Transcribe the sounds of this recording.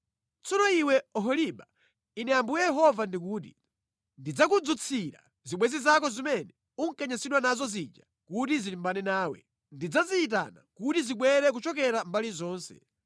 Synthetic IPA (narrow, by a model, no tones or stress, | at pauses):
t͡sɔnɔiwɛɔɦɔliɓa | inɛjambujɛjɛɦɔvandikuːt̬i | ndid͡zakud͡zut͡sʰiɾa̰ | ziɓwɛzizak̬ɔzimɛnɛ | uŋ̩kaɲasiɗwanazɔzid͡ʒa | kutizilimbanɛnaːwɛ̰ | ndid͡zaziit̬a̰na̰kutiziɓwɛɾɛk̬ut͡ʃɔk̬ɛɾambalizɔːnsɛ̥̰